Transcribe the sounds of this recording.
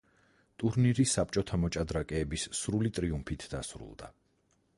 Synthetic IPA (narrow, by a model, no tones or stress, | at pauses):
t̪ʼuɾniɾisːap̚ʼt͡ʃʼɔt̪ʰamɔt͡ʃʼad̪ɾakʼɛːbisːɾulit̪ʼɾiumpʰit̪ʰd̪asɾṵlˠd̪a̰